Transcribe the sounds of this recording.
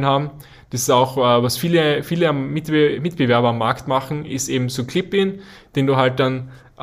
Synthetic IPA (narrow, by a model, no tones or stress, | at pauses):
nhaːbm̩ | d̥asɪsaʊxːvasfiːləfiːləamːɪtmɪtb̥əvɛɐbɐamːaɐktmaχn̩ɪsteːbm̩soːkʰl̥ɪpɪnd̥eːnduːɦalt̚d̥an | ʔ